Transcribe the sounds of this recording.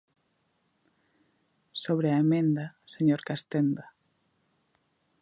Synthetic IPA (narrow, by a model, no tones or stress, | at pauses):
soβɾeaemẽnd̪aseɲoɾkast̪end̪a